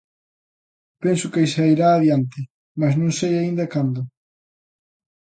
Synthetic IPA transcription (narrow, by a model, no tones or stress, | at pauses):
pensʊkejsaiɾaːðjant̪ɪ | masnũŋsejaĩnd̪ɐkand̪ʊ